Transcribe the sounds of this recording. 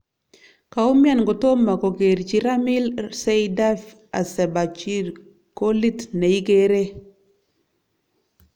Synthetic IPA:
ka˨u˦mja˦˨nɡo˨to˦ma˨ko˨ɡe˨ɾt͡ʃi˦ɾa˦mi˦lse˦jda˦f | a̰˨sɛ˨ba˨t͡ʃi˦ɾ | ko˦li˦tne˨i˦ɡe˦ɾe˦

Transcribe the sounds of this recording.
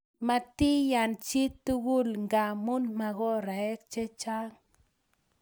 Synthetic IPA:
ma˧t̪i˦ja˨nt͡ʃi˦t̪ːu˦ɡu˦lŋɡa˨mu˦nma˧ɣo˦ɾa˨e˦kt͡ʃe˦t͡ʃa˦ŋ

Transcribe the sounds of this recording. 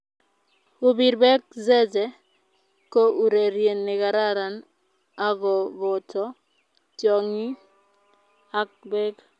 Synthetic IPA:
u˦bi˨ɾbɛ˦k̚zɛ˦d͡ʒɛ˨ | ko˦ʔu˨ɾe˨ɾje˨nːɪ˨ka˨ɾa˦ɾa˨n | a˦ɡɔ˨bɔ˨tɔ˦ | t͡ʃɔ˨ŋi˦ | a˦k̚bɛ˦k

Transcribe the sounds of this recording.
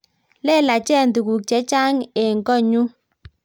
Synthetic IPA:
lɛ˦˨la˨t͡ʃɛ˦˨ndu˨ku˨k̚t͡ʃɛ˨˦t͡ʃa˦ŋe˨ŋkɔ˦˨ɲu˦

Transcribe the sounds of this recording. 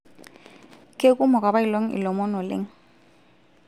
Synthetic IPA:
kʼe˦kʼu˦mɔ˨k̬ʼa˨ba˦i˨lɔ˦ŋ̩˦ʔɪ̰˨lɔ˨mɔ˦nɔ˨lḛ˦ŋ̩˦

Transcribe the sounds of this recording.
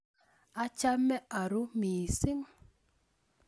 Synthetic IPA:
a˦t͡ʃa˦mːɛ˦ʔa˨ɾʊ˦mi˨sɪ˦ŋ

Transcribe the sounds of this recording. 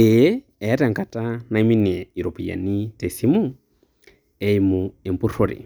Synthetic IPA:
e˦ | ɛ˨˦ta˨ŋka˨ta˦na˨i˦mi˦ni˨a˨i˨ɾo˨pi˨ja̰˨ni˦te˨si˦mu˦ | ɛ˨imue˨mpu˦roɾḭ˨

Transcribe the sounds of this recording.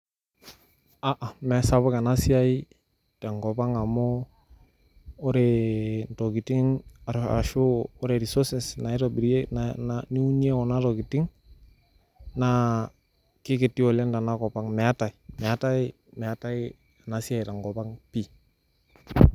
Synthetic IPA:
a˨ʔa˨mɛ˨sa˦βɔ˦ka˨na˦si˦a˦i | ta˨ŋɡɔ˨pa˦ŋa˨mɔ˦ | ɾɛntɔ˨ki˨ti˦ŋaa̰ʃʊː˦ɾɛ˨ɾi˨sɔsɛ˨sna˨ɪ˦ɾɔbi˨ɾe˦nanani˦u˦ni˦e˦ɔ˨na˦tɔ˨ɡi˨tɪ˦ŋ | na | kɪ˦kɪ˨tːi˦ɔ˨la˦nda˨na˦kɔ˨pa˦ŋmɛ˨a˦ta˨imɛ˨a˦ta˦i | mɛ˨a˦ta˦i | a˨na˨si˦a˦jta˨ŋɡɔ˨pa˦ŋpi˦

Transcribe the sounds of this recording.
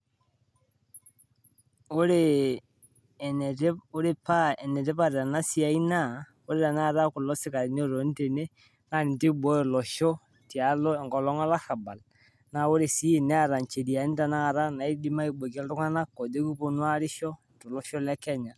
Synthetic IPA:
ʊ˦ɾe˦˨ | nɛ˨te˦ʊ˦ɾe˦˨pa˦ɛ˨ne˨tɛ˦pa˨ɾa˨na˦si˦a˨i˦na˦˨ | ʊ˦ɾe˦ta˨na˦˨ɾa˦kʊ˨lɔ˦sɪ˦ka˨ɾɪ˨n˦˨ɾo˨˦n˦te˨ne˦ | ŋa˦˨nɪ˨n˨ti˦bɔ˦˨lɔ˨ʃɔ˦ | ti˨a˨˦lɔ˦ɛ˨ŋkɔ˨lɔ˦ŋɔ˦la˦xa˨ba˨l | na˨ʊ˦ɾe˨si˦˨nɛ˦a˦˨ɾa˨nt͡ʃe˨di˨a˨˦n˦ta˨na˦a˨ɾa˦na˨i˦di˦ma˦i˦bo˨kɛ˦ltʊ˦ŋa˦na˦ko˨de˦ku˦po˨nwa˦ɾɪ˦ʃɔ˦˨tɔ˨lɔ˦ʃɔ˦lɛ˦kɛ˦ɲa˨

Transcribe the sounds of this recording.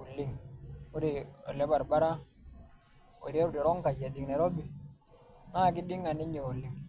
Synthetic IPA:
u˨lːi˦ŋu˦ɾi˨o̰˨lɛ˦ba˨ɾba˦ɾa˦ | o̰˨ɾe˦ɾu˦˨dɛ˨ɾɔ˦ŋka˨ja˨d̪i˨ŋnɛ˨ɾo˦bi˨ | na˦˨k̬i˦di˦ŋa˨ni˦ɲi˨u˨lːi˨ŋ

